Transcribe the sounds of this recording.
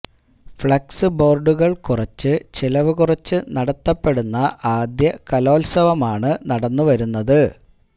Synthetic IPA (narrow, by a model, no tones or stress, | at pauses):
fɭɐksɨbo̞ːrɖuɣɐɭkurɐt͡ɕːɨt͡ɕilɐʋɨkurɐt͡ɕːɨnɐɽɐt̪ːɐpːe̞ɽunːɐʔaːd̪jɐkɐlo̞ːlsɐʋɐmaːɳɨnɐɽɐnːuʋɐɾunːɐðɨ